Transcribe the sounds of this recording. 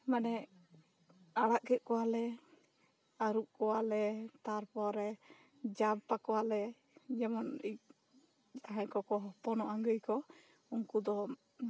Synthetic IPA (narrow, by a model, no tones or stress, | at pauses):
manɛ | aɽaʔkɛt̪̚ˀkɔwalɛ | aɾuʔ̚kɔwalɛt̪aɾpɔɾɛ | d͡ʒab̚pakɔwalɛ | d͡ʒɛmɔnic̚ | t̪aɦãkɔkɔɦɔpɔnɔʔaŋɡəjkɔ | unkud̪ɔ